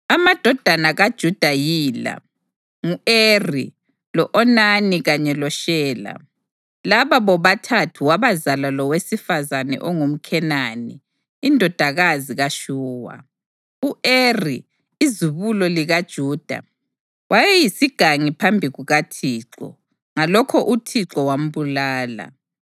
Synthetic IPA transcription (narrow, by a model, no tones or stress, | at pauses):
amad̥ʱɔd̥ʱanaɣad̥ʒ̥ʱud̥ʱajiːla̰ | ŋueri | lɔʔɔnaniɣaɲɛlɔʃɛːla̰ | laβaβɔβatʰatʰuwaβazalalɔwesifazanɛ̰ʔɔŋum̩kʰɛnaniː | ndʱɔd̥ʱaɣaziɣaʃuːwa̰ | uʔerḭː | zuβulɔliɣad̥ʒ̥ʱuːd̥ʱa̰ | wajɛjisiɡ̥ʱaŋipʰambʱiɣuɣatʰiǁɔ̰ | ŋalɔkʰɔʔutʰiǁɔwam̩βulaːla̰